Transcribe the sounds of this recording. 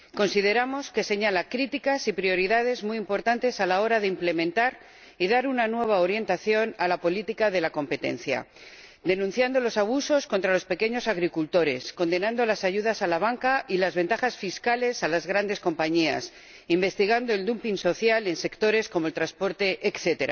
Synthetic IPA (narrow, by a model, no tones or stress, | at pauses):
ko̞nsið̞e̞ɾamo̞ske̞se̞ɲalakɾit̪ikasipɾio̞ɾiðað̞e̞zmuimpo̞ɾt̪ant̪e̞salao̞ɾaðe̞imple̞mẽnt̪aɾ | iðaɾunanwe̞β̞ao̞ɾje̞nt̪aθjo̞nalapo̞lit̪ikaðe̞lako̞mpe̞t̪e̞̰nθja̰ | d̪e̞nũn̟θjand̪o̞lo̞saβ̞uso̞sko̞nt̪ɾalo̞spe̞ke̞ɲo̞saɣɾikult̪o̞ɾe̞̰sko̞nd̪e̞nãnd̪o̞lasaʝuðasalaβ̞aŋkaʔilazβe̞nt̪axasfiskale̞salazɣɾand̪e̞sko̞mpaɲia̰s | imbe̞st̪iɣ̞and̪o̞eld̪umpiŋso̞θjale̞nse̞kt̪o̞ɾe̞skomoelt̪ɾaspo̞ɾt̪e̞ʔːkθe̞t̪e̞ɾa̰